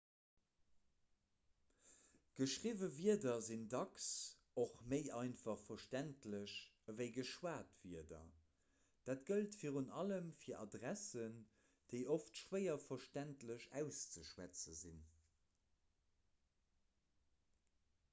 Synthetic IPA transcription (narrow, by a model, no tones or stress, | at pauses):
ɡ̥əʃʁivəviədɐzindɑks | oχməɪʔɑɪnfɑχfɐʃtæntləɕ | əvəɪɡəʃwaːtviɐdɐ̰ | d̥aːtɡ̥əltfiːʁunɑləmfiːɐʔɑdʁæsən | d̥əɪʔoftʃwəɪɐfɐʃtæntləʃæ̰ʊst͡səʃwæt͡səzin